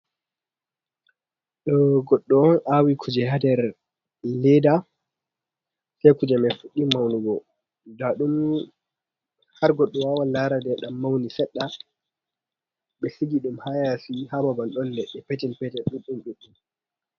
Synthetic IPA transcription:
ɗɔɡɔɗːɔɔnʔawikʰud͡ʒɛhadɛɾ | lɛda | sajkud͡ʒɛmɛfuɗːimawnuɡɔ | daɗum | haɾɡɔɗːɔwawanlaɾadɛɗamːawnisɛɗːa | ɓɛsiɡiɗumhajasihababanɗɔnlɛɗːɛpɛtɛlpɛtɛɗuɗumɗɛɗːum

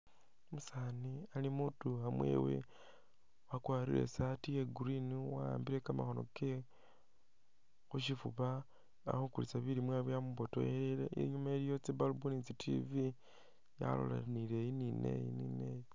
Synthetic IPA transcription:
musanialimutuamwḛːwḛ | wakwaɾḭle̞̰satieɡuɾiniwaa̰ːmbiɾe̞kamaxono̞̰ke | xuʃifuβa | a̰xukulit͡saβilimwaβejamuβoto̰jeeleḛɲumaeljo̞t͡sebalubunit͡sitʰḭvi | ja̰lo̞̰la̰nilejininḛjinineji

